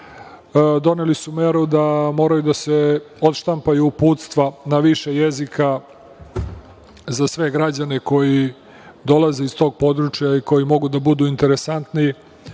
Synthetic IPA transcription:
d̪o̞nelisume̞ɾud̪amo̞ːɾajud̪ase̞ | ot̪ʃt̪ampajuːpuːt̪st̪ʋanaʋiʃejezika | zasʋe̞ɡɾad͡ʑaneko̞ji | d̪o̞laze̞ist̪o̞ːɡ̚po̞d̪ɾut͡ʃjaiko̞jimo̞ɡud̪abud̪uːint̪e̞ɾesant̪ni

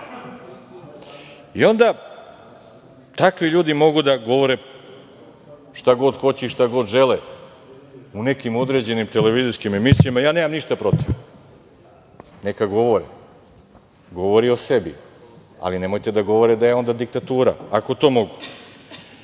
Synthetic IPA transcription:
io̞nd̪a | t̪akʋiʎuːd̪imo̞ɡud̪aɡo̞ʋo̞ɾe | ʃt̪aɡo̞d̪xo̞t͡ɕeiʃt̪aɡo̞d̪ʒele | une̞kimo̞d̪ɾe̞d͡ʑe̞nimt̪e̞le̞ʋiziskime̞misijamajaːneːmamniʃt̪apɾo̞t̪iʋ | ne̞kaɡo̞ʋo̞ɾḭ | ɡo̞ʋo̞ɾio̞se̞bḭa̰line̞mo̞jt̪ed̪aɡo̞ʋo̞ɾed̪ajeo̞nd̪ad̪ik̚t̪at̪uːɾa̰ako̞t̪o̞ːmo̞ɡu

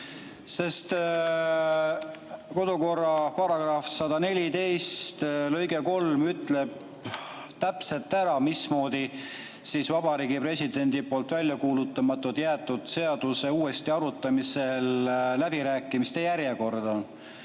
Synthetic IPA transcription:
se̞st̪ | ko̞d̪uko̞rːɑpɑɾɑɡ̥rɑfsɑd̪ɑne̞lʲit̪e̞jst̪lø̞jɡe̞ko̞lmyt̪ˑle̞b̚ | t̪æpse̞lt̪ːˑæɾɑmismo̞ːd̪̥i | sisvɑbɑɾiːɡipre̞sʲid̪̥e̞nʲd̪̥ipo̞ːlt̪ˑvælʲːjɑkuːlut̪ːˑɑmɑt̪ːˑut̪jæːt̪ːˑud̪̥se̞ɑd̪̥use̞uːe̞st̪iɑɾut̪ːˑɑmise̞llæbiɾæːkːˑimist̪e̞jæɾje̞ko̞rd̪̥ɑ

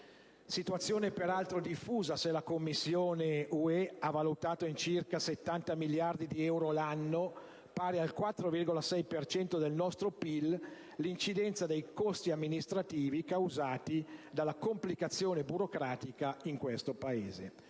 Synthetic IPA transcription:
sit̪uat̪sːjoːnepeɾalt̪ɾod̪ifːuːzaselakomːisːjoːneuɛavalut̪aːt̪oint͡ʃirkaset̪ːant̪amiljard̪id̪iɛwɾolanːo | paːɾealkwat̪ːɾovirɡolasɛjpert͡ʃɛnt̪od̪elnɔst̪ɾopilː | int͡ʃid̪ɛnt̪sad̪ejkost̪iamːinist̪ɾat̪iːvikawzaːt̪id̪alːakomplikat̪sːjoːnebuɾokɾaːt̪ikaiŋkwest̪opaḛːze

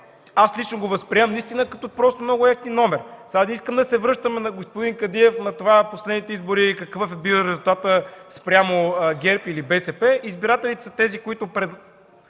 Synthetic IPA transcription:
aslit͡ʃnoɡovɐspɾiɛmnɐist̪inəkɐt̪opɾɔst̪omnoɡʊɛsninɔmɛɾsad̪iskəmd̪ɐsɛvɾɤʃt̪əmɛnɐɡospʊd̪iŋkɐd̪iɛfnɐt̪ovaposlɛd̪nit̪ɛizboɾikɐkvəfɛbilˠɾɛzulˠt̪at̪əspɾʲjamoɡʲɛɾpilibɛsɛpɛʔizbiɾat̪ɛlit̪ɛ̥sɐt̪ɛzikʊit̪ʊpɾɛ

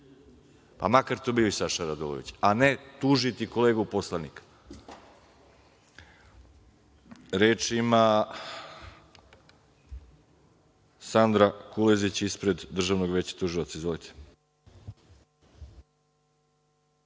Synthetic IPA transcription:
pa̰makaɾt̪obilisaʃaɾad̪olo̰ḭt͡ɕanet̪uːʒit̪iko̞leːɡuposlˠanikḁ | ɾeːt͡ʃima | sand̪ɾakulezit͡ɕispɾed̪ːr̩ʒaʋno̞ɡʋe̞t͡ɕḁt̪uʒilot̪saizʋolit̪ʰe̥

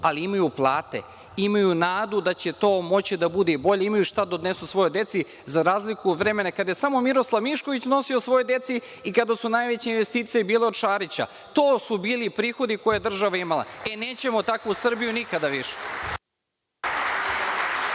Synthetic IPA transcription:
aliimajuplˠaːt̪e̞̰ | imajunaːd̪ud̪at͡ɕe̞t̪o̞ːmo̞t͡ɕid̪abud̪ebo̞ʎeimajuʃt̪ad̪od̪ne̞susʋo̞jod̪e̞t̪si | zaɾaːzlikud̪ʋɾe̞me̞nakad̪aje̞samo̞miɾo̞slˠaʋmiʃko̞ʋit͡ɕno̞sio̞sʋo̞jojd̪e̞t̪si | ikad̪asunaːjʋe̞t͡ɕeinʋe̞st̪iːt̪sijebiːle̞od̪ʃaːɾit͡ɕa̰ | t̪o̞ːsubiːlipɾiːxo̞d̪ikojejd̪r̩ʒaʋaimalˠa̰ene̞ːt͡ɕe̞mo̞t̪akʋuusr̩bijunikad̪aʋiʃe̥

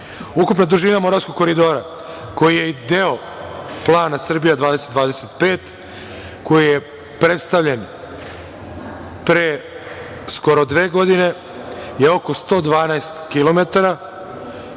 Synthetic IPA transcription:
ukupnad̪uʒinamo̞ɾaʋsko̞ɡ̚ko̞ɾid̪o̞ːɾa | ko̞jijeid̪eo | plˠaːnasr̩bijad̪ʋaːd̪eset̪ʋaːd̪eset̪pe̞ːt̪ | ko̞jije | pɾe̞t̪st̪aʋʎe̞n | pɾe | sko̞ɾo̞d̪ʋe̞ːɡo̞d̪ine̞ | jeo̞ko̞st̪o̞ːd̪ʋaːnaest̪kilo̞met̪aɾa

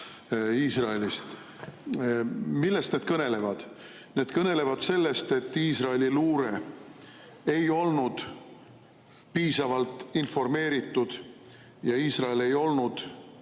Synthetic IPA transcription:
iːsrɑe̞list̪ | milːe̞st̪ned̪̥kɤne̞le̞vɑd̪̥ | ne̞ːd̪̥kɤne̞le̞vɑd̪̥se̞lːe̞st̪e̞t̪ːiːsrɑeliluːɾe̞ | ejo̞lnud̪̥ | piːsɑvɑlt̪ˑinfo̞rme̞ːɾit̪ːˑud̪̥ | jɑiːsrɑele̞jo̞lnud̪̥

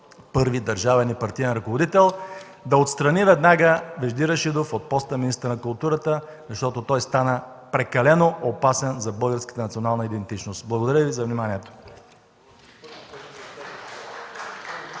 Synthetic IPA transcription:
pɤɾvid̪ɐɾʒavɛnipɐɾt̪iɛnɾɐkovod̪it̪ɛlˠ | d̪ɐot̪st̪ɾɐnivɛd̪naɡəvɛʒd̪iɾəʃid̪ofot̪̚pɔst̪əminist̪əɾənɐkʊlˠt̪uɾət̪ə | zɐʃt̪ɔt̪ot̪ɔjst̪anə | pɾɛkɐlɛnoopasɛnzɐbɤlˠɡəɾskə̥t̪ənɐt̪sionalˠnəid̪ɛnt̪it͡ʃnost̪blˠɐɡod̪ɐɾəvizɐvnimaniɛt̪o̥

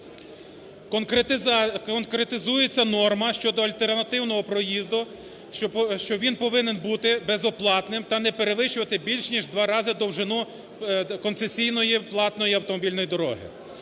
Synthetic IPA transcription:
ɔnkɾet̪ɪzujet͡sʲːɐnɔrmɐʃt͡ʃɔd̪ɔɐlʲt̪ernɐt̪ɪwnɔɦɔpɾɔjizd̪ʊ | ʃt͡ʃɔʋʲinpɔʋɪnenbut̪ɪbezɔplˠɑt̪nɪmt̪ɐnɛpeɾeʋɪʃʊʋɐt̪ɪbʲilʲʃnʲiʒd̪ʋɑɾɑzɪd̪ɔwʒɪnu | kɔntsesʲijnɔjiplˠɑt̪nɔjiɐwt̪ɔmɔbʲilʲnɔjid̪ɔɾɔ̰ɦɪ̰

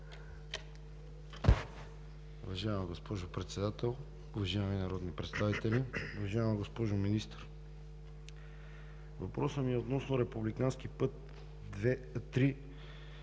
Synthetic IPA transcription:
uvɐʒaɛmɐɡospɔʒʊpɾɛt̪sɛd̪at̪ɛlˠ | uvɐʒaɛminɐɾɔd̪nipɾɛt̪st̪avit̪ɛliʊvɐʒaɛmɐɡospɔʒʊminist̪əɾ | vɐpɾɔsəmiɛot̪nɔsnoɾɛpublikansk̟ipɤt̪ | d̪vɛt̪ɾi

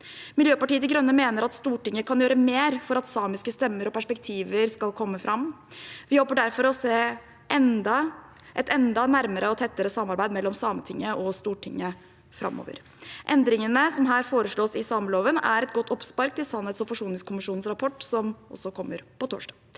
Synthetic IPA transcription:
mɪljøːpɑʈiːət̪ɪɡɾœnːəmeːnəɾɑt̪st̪uːʈɪŋːəkʰɑnjøːɾəmeːɾfɔɾɑt̪sɑːmɪskəst̪ɛmːəɾɔpæʂpɛk̚t̪ʰiːʋəɾskɑlkʰɔmːəfɾʔɑmː | ʋɪhɔlpəɖæɾfɔɾɔseː | ʔɛnd̪ɑ | ʔɛt̪ɛnd̪ɑnæɾməɾʔəɔt̪ʰɛt̪ːəɾəsɑmːɑɾbæɪd̪mɛlːɔmsɑːmət̪ʰɪŋːəʔɔst̪uːʈʰɪŋːə | fɾɑ̰mːo̰ːʋə̰ɾ | ʔɛnd̪ɾɪŋənəsɔmɦæːɾfoːɾəʂɭoːsɪsɑːməloːʋənæɾɛt̪ɡɔt̪ːʰɔpspɑɾk̚t̪ɪlsɑnhɛːt̪sɔfɔʂuːnɪŋskʰʊmɪʂuːn̩sɾɑpʰɔʈːsɔmʔɔ̰sːɔkʰɔmːəɾpɔt̪ʰo̰ːʂɖɑːɡ

